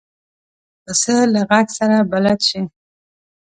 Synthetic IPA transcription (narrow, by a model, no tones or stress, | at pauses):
pəsəlaɣaɡsaɾabalat̪ʃi